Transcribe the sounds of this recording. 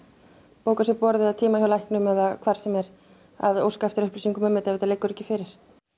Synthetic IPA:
poːwkasɪpɔɾðɪaðt̪ʰiːmajawlajhknʏmɛðakʰvaɾ̥sɛmɛɾ | a̰ðo̰wskaɛft̪ɪɾʏhplisiŋkʏmɛmːɪt̪ɛvɛt̪alejkːʏɾɛcːɪfɪːɾɪɾ̥

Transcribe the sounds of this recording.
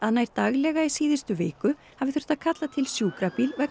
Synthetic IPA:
aðnajɾ̥t̪aɣlɛɣaisiːðɪst̪ʏveːjkʏ | havɪθɾʏ̥t̪aðkʰat̪lat̪ʰɪlsjuːkɾapilvɛk

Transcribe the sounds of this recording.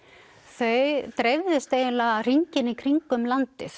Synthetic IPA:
θœɥt̪ɾejvðʏst̪eːjɪlar̥iɲcɪnikʰɾiŋkʏmlant̪ɪθ

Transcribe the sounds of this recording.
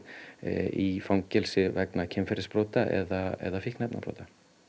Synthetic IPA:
ifawŋcɛlsɪvɛknacʰɛmfɛɾɪspɾoːwt̪aʔɛ̰ðaɛ̰ðafihknɛpna̰pɾo̰wt̪a

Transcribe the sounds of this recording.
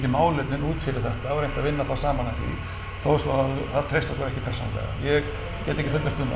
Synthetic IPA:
cɪmaːwlɪt̪nɪnuːt̪fɪɾɪɾ̥θɛht̪aɛɾejm̥t̪avɪnːaθasaːmanaθḭ | θowsvɔaðθaðt̪ʰɾejsak̪ɔɾɛhcɪpʰɛɾ̥sɔna̰ɛ̰ɣa̰jɛɣ | cɛːt̪ɪehcɪfʏt̪laɾft̪ʏma̰

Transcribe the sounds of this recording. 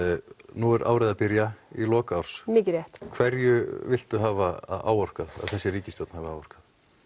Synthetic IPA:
nuɛɾʔa̰wɾajðapɪɾjailɔːkaɔɾ̥smɪːcɪɾjɛht̪kʰvɛɾjʏvɪl̥t̪ʏɦaːvaa̰ːwɔr̥kaða̰ðθɛsːɪriːcɪsjowt̪nhavɪawɔr̥kað

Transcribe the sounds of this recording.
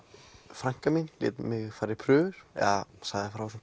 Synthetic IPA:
fɾaŋ̥kaminlɪ̰ːt̪mɪɣfaɾɪpʰɾʏːvʏɾ̥ɛ̰ðasaɣðɪfɾaws

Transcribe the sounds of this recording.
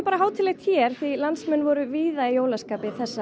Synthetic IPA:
paːɾaɦaːwt̪ʰɪlejxt̪çɛɾ̥θilansmɛnːvɔɾʏviːðaijoːwlaskaːpɪiθɛsːa

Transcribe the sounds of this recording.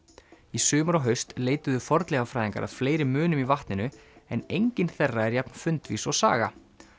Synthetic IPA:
isʏːmaɾɔɦœɥst̪leːjt̪ʏðʏfɔɾt̪lɛɣafɾajðiŋka̰ɾʔa̰ðfleːjɾɪmʏːnʏmivaht̪nɪnʏɛnejɲcɪnθɛrːaɛɾjapnfʏnt̪vḭsɔɣsa̰ːɣa̰

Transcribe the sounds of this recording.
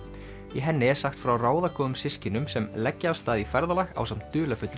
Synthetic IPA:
ɛɦɛnːɪɛ̥saxt̪fɾawraːwðakɔːðʏmsɪscɪnʏmsɛmlɛcːɪaːvst̪aːðifɛɾðalaxa̰wsamnt̪ʏːlafʏt̪l

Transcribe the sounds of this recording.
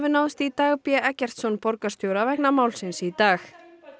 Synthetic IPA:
vɪnaːwðɪst̪it̪aːɣpjɛʔɛcɛr̥t̪sɔnːpɔɾkast̪jowɾavɛhknamaːwlsɪnsit̪aːx

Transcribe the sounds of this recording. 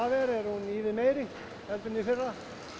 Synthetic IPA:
aːvɛɾɛɾhuniːðɪmeːjɾɪ | hɛlt̪ʏnɪfɪrːa

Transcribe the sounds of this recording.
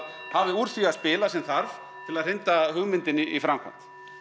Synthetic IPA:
havɪuɾ̥θiaðspɪːlasɛmθaɾv | t̪ʰɪlaðr̥ɪnt̪ahʏɣmɪnt̪ɪniifɾamkʰa̰n̥t̪

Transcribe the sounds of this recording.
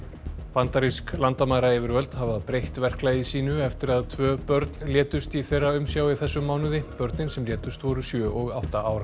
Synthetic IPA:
pant̪aɾisklant̪amaːjɾaɛːvɪɾvœlt̪havaðpɾejht̪vɛr̥klaːjɪsiːnʏɛft̪ɪɾaðt̪ʰvœːpœɾt̪nljɛːt̪ʏst̪iθejrːaʏmsjaːwiθɛsːʏmːawnʏðɪpœɾt̪nɪnsɛmljɛːt̪ʏst̪vɔɾʏsjœːʔɔɣawht̪aʔaːwɾa

